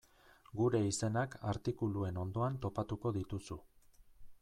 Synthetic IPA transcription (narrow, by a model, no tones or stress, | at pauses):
ɡuɾe̞ise̞nakaɾt̪ikulue̞no̞nd̪o̞ant̪o̞pat̪uko̞ðit̪usu